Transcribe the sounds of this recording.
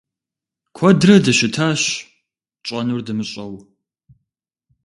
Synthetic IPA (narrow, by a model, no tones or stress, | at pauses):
kʷʰɔdrɐdɐʃɪtʰaːɕ | t͡ʃʼɐnurdɨmɨɕʼɐw